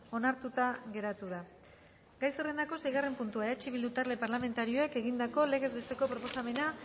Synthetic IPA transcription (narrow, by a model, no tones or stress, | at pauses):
o̞naɾt̪ut̪aɣe̞ɾat̪uða | ɡajsere̞nd̪ako̞sejɣ̞are̞mpunt̪uaeat͡ʃiβild̪ut̪aɾle̞paɾlame̞nt̪aɾio̞e̞ke̞ɣind̪ako̞le̞ɣe̞zbe̞st̪e̞ko̞pɾo̞po̞same̞na